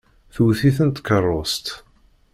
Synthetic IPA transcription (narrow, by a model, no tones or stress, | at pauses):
θuwθiθənt̪kərˤːost̪